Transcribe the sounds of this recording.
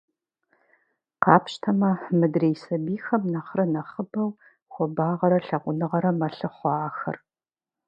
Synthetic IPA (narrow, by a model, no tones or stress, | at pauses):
qɑːpʃtʰɐmɐħmɨdreːjsɐbiːxɐmnɐχrɐnɐχəbɐw | xʷɔbaːʁɐɾɐɬɐqʷʊnɨʁɐɾɐmɐɬɨχʷɑːxɐ̰r